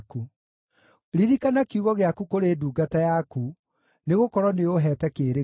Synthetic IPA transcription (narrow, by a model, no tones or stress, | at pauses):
ku | ɾiɾikanakiuɣɔɣeakukoɾeːduːɡatajaku | neɣokɔɾwɔneoɦɛːtɛkeːɾe